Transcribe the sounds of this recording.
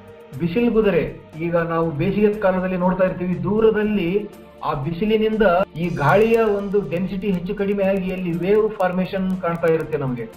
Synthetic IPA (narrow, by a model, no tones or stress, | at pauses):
bisilɡud̪ɐɾe̞iːɡɐnaːʋube̞ːʃijɐt̪kaːlɐd̪ɐlːino̞ːɽt̪aːjiɾt̪iːʋid̪uːɾɐd̪ɐlːi | aːbisilinind̪ɐiːɡaːɭijɐo̞nd̪uɖensiʈiɦe̞t͡ʃːukɐɽimejaːɡiɐlːiʋeːʋpʰaːɾmeːʃɐnkaːɳt̪aːjiɾut̪ːe̞nɐmɐɡe̞